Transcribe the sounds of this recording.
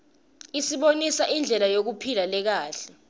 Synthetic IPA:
isiɓonisaʔind͡ɮʱɛlajok̬upʰilalɛk̬aːɬɛ̥

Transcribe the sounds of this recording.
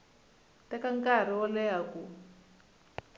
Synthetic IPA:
takaŋkaɾ̤iɔlɛaku

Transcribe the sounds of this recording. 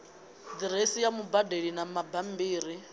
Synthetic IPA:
d̪iɾesijamubadeɺinamabambiːɾi

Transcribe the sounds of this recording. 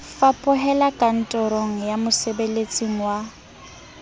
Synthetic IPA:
fapʼʊɦɛlakʼan̩tʼɔɾoŋ̩jamʊsebelet͡sʼiŋ̩wa

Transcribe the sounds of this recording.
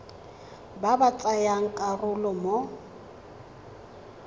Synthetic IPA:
babat͡sʼajaŋ̩kʼarʊlɔmo

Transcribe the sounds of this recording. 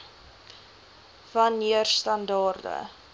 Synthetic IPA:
vɐnːiərstɐndɑːrdə̰

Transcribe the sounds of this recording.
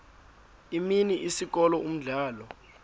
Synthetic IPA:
iminiʔisik̬ɔlɔum̩ɮaːlɔ

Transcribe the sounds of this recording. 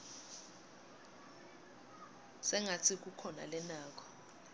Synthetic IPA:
sɛŋat͡sʰik̬ʼukʰɔna̰lɛnaːk̬ʰʼɔ̥

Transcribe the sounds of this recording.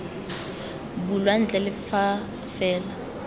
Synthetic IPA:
bulwan̩t͡ɬʼɛlɪfa | fɛːla

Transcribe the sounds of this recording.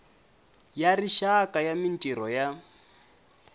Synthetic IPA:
jariʃakʼajamintʼiɾɔja

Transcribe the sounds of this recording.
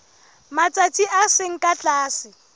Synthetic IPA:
mat͡sʼat͡sʼiʔaseŋ̩kʼat͡ɬʼaːsɪ

